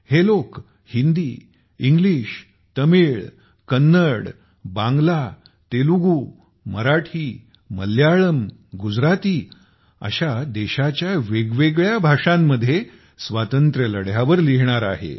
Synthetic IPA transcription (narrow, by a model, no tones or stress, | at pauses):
helok | hind̪iː | iŋɡliːɕ | t̪əmiɭ | kənːəɽ | bãŋɡla | t̪eluɡu | məɾaʈʰiː | mə̰ljaɭəmɡud͡zɾat̪iː | ə̰ɕad̪eɕat͡ɕjaʋeɡʋeɡɭjabʱaʂamːəd̪ʱːje | sʋat̪ənt̪ɾələɽjaʋəɾliɦɳ̃aɾaɦḛ